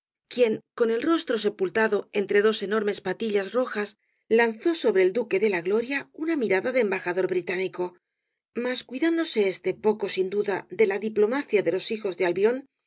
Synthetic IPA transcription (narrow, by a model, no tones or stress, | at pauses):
kje̞ŋko̞ne̞lro̞st̪ɾo̞se̞pult̪aðo̞e̞nt̪ɾe̞ðose̞no̞ɾme̞spat̪iʎazro̞xas | lan̟θo̞so̞βɾe̞ːld̪uke̞ðe̞laɣlo̞ɾjaunamiɾaðaðeːmbaxaðo̞ɾβɾit̪aniko̞ | maskwiðand̪o̞se̞est̪e̞po̞ko̞sind̪uðaðe̞laðiplo̞maθjaðe̞lo̞sixo̞zðealβjo̞n